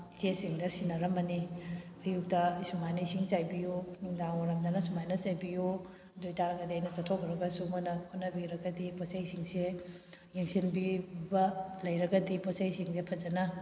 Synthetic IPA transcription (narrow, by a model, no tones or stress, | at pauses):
it͡ʃesiŋdɐsinɐɾɐmɐni | ɐjuk̚tɐsumajnɐisiŋt͡ʃajbijoniŋdaŋmɐɾɐmdɐnɐsumajnɐt͡ʃajbijo | dojtaɾɐɡɐdiɐjnɐt͡ʃɐtʰokʰɾɐɡɐsumɐnɐkʰɔnːɐbiɾɐɡɐdipɔt͡ʃajsiŋse | jeŋsinbibɐlɐjɾɐɡɐdipɔsajsiŋzepʰɐd͡ʒɐnɐ